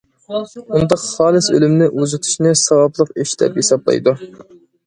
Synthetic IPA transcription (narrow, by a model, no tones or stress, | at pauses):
und̪ɑqχɑːlˠɨsø̰lymnɪʔuzɨt̪ʰu̥ʃnɨsɑwɑblˠəqeʃd̪ɛ̰pjesɑblˠɑ̰jd̪u